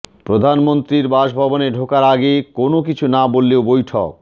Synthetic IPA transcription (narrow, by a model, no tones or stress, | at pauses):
pɾod̪ʱanmont̪ɾiɾbaʃbʱɔboneɖʱokaɾaɡekonokit͡ɕʰunabolːeobojʈʰo̰k̚